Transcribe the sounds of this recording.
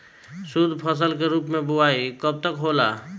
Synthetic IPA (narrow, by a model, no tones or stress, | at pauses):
sud̪ʱpʰəs̬əlkeɾuːpmẽbʊaikəb̚t̪əkɦola